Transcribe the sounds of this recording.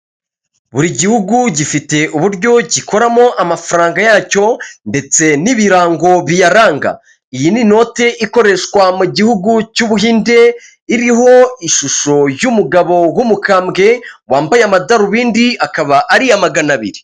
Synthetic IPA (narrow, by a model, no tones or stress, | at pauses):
βuɾiɟihuɡuɟifite̞ʔuβuɾɟo̞ɟiko̞ɾamo̞ʔamafaɾaːŋɡajaːco̞nde̞t͡se̞niβiɾaːŋɡo̞βijaɾaːŋɡa̰ | ijinino̞ːte̞ʔiko̞ɾe̞ʃwamuɟihuɡucuβuɦiːnde̞ | iɾiɦo̞iʃuʃo̞jumuɡaβo̞wumukaːmɡe̞waːmbajeamadaɾuβiːndiakaβaʔaɾiamaɡanaβiɾi